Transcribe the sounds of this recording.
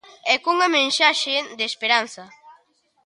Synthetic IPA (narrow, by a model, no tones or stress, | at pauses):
ɛkuŋamẽnʃaʃed̪espeɾanθa